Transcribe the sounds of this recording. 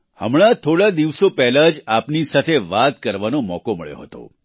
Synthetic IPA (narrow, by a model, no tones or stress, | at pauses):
hə̰mɭ̃at̪ʰoɽad̪iʋsopɛɦlad͡ʒapnisat̪ʰeʋat̪kəɾʋanomɔkoməɭjo̰ɦət̪o̰